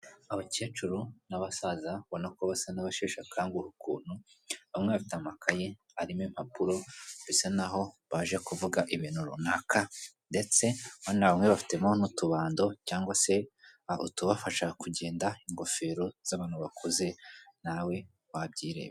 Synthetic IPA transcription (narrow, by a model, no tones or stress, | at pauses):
aβoce̞ːt͡ʃuɾunaβasazaβo̞nakoβasanaβaʃeːʃakʰaːŋɡuhukṵːn̥u | βamŋeβafitamakʰaje̞ | aɾimim̥apuɾo̞besenaɦo̞βaʒekuvuɡaʔiβiːnuɾṵnaka | nde̞t͡se̞manaβamŋeβafi̥te̞monutuβaːndocaːŋɡwase̞aṵtuβafaʃakuɟe̞ːndaiŋɡo̞fe̞ːɾo̞z̥aβaːnuβakʰoze̞nawe̞ | wabɟiːɾe̞̰βe